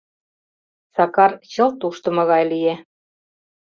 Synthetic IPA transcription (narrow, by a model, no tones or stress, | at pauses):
sɑkɑrt͡ɕɤ̆lt̪uʃt̪ɤ̆mɤ̆ɣɑjlije